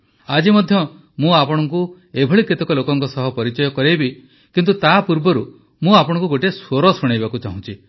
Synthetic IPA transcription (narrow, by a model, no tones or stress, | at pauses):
ad͡ʒimɔd̪ʱjɔ | mũapɔɽ̃ɔŋku | ebʱɔɭikɾit̪ɔkɔlokɔŋkɔsɔɦɔpɔɾit͡ʃɔjɔkɔɾejbi | kint̪ut̪apuɾbɔɾu | mũapɔɽ̃ɔ̃ŋkuɡoʈesoɾɔsuɽ̃ajbakut͡ʃaɦũnt͡ʃʰi